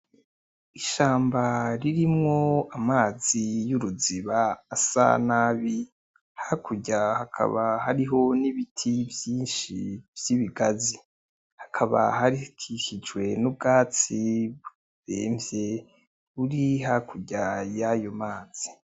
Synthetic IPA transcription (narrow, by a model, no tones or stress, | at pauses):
iʃaːmbaɾiɾimŋoamaːzijuɾuziβaːsa̰naβi | hakʰuɟahakʰa̰βahaɾiɦo̞niβitʰivjiːnʃḭvjiβiɡazi | hakʰaβa̰haɾikʰiʃid͡ʒwe̞nub̚ɡaːt͡si | ɾeːmvje̞ | βuɾiɦakuɟajajo̞maːz̥i